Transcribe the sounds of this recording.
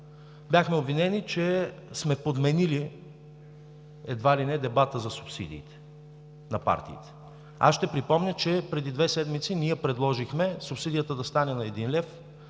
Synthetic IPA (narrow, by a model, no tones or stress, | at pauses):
bʲjaxmɛobvinɛnit͡ʃɛ | smɛpod̪mɛnili | ɛd̪valinɛd̪ɛbat̪əzɐsupsid̪ḭːt̪ɛ̥ | nɐpa̰ɾt̪ḭːt̪ɛ̥ | a̰sʃt̪ɛpɾipɔmnʲət͡ʃɛpɾɛd̪id̪vɛsɛd̪mit̪siniɛpɾɛd̪lˠɔʒixmɛsupsid̪ijət̪əd̪ɐst̪anɛnɐɛd̪inlɛf